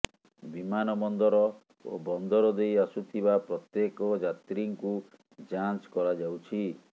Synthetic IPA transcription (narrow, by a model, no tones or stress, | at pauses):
bimanɔmɔnd̪ɔɾɔ | o̰bɔnd̪ɔɾɔd̪ejasut̪ʰibapɾɔt̪jekɔd͡ʒat̪ɾiŋku | d͡ʒant͡ʃkɔɾad͡ʒawt͡ʃʰi